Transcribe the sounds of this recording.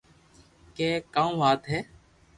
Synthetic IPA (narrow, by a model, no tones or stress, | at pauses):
kɛːkaːũːʋaːt̪ɦɛː